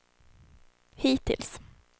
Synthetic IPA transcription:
hiːt̪ʰɪ̰ls

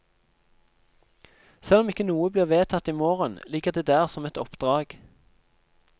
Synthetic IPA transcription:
sɛlɔmɪkːənuːəbliːʁʋeːt̪ʰɑt̪iːmoːʁənliːkəʁd̪eːd̪æːʁsɔmɛt̪ɔpd̪̥ʁɑːɡ̥

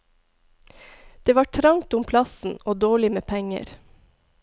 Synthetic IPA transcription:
d̪̥eːʋɑːʈʰɾɑŋt̪ʊmpʰlɑsn̩oːd̪oːɭɪmeːpʰɛŋə̰ɾ

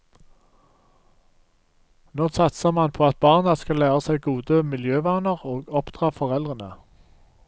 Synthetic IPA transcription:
noːsɑt̪səʁmɑnpʰoːɑt̪̚bɑːʁnɑskɑlæːʁəsæɪɡuːd̪əmɪljøːʋɑːnəʁoːɡɔpd̪̥ʁɑːfɔʁɛlʁənə

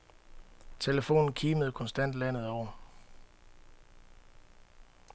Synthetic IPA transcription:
t͡sʰe̝ləfo̝̰ːnn̩kʰiːməð̞̩ˠkʰɒ̽nsd̥æn̰d̥læn̰ð̞̩ˠɒʊ̰ɐ

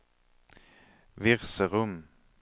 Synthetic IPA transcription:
ʋɪʁsəʁʊm

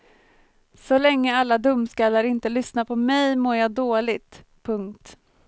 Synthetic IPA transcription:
sɔlɛŋːəalːad̪ɵmːskaːlaɾɪnt̪əlʏsnapʰɔmɛjmoːɾjɑːd̪oːlɪɡt̪ | pʰɵŋkt̪

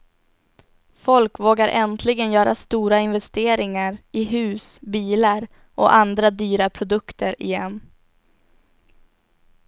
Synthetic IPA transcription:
fɔlkvoːɡaɾʔɛnt̪ʰlɪɡənjœːɾʔa̰st̪uːɾaɪnvɛst̪eːɾɪŋaɾɪɦʉ̟ːsbiːlaɾ | ʔɔ̰ʔand̪ɾad̪yːɾapʰɾʊd̪ɵkt̪ʰəɾɪ̰jɛnː

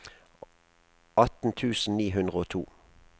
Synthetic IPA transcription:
ɑt̪n̩t̪ʰʉːsn̩niːɦʉnd̪ʁəoːt̪ʰṵː

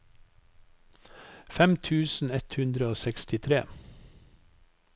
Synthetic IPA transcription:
fɛmt̪ʰʉːsn̩ɛt̪hʉnd̪ɾəoːsɛkst̪ɪt̪ʰɾḛː

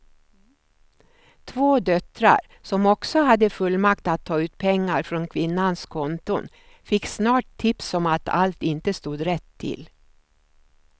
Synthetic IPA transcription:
t̪ʰvoːd̪œt̪ɾa̰ɾ | sɔmɔksɔhad̪ːəfɵlːmakt̪at̪ʰːɑːʉ̟ːt̪pʰɛŋːaɾfɾɔnkʰvɪnːanskʰɔnt̪ʊn | fɪkːsnɑːʈ̚t̪ʰɪpsɔmat̪ʰa̰lt̪ɪnt̪əst̪uːd̪ɾɛt̪ʰːɪ̰l

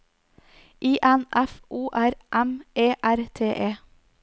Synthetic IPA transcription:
ʔiːʔɛnʔæfʔuːʔæɾʔɛmʔeːʔæɾt̪ʰeːʔeː

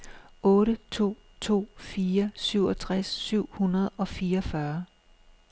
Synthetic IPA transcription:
ɔ̽ːɾət͡sʰo̝̰ː | t͡sʰo̝̰ːfiːɐsyʊ̰ɒ̽t͡sʰʁasːyʊ̰hunɐð̞ˠɒ̽fiːɐɒfɶɐ

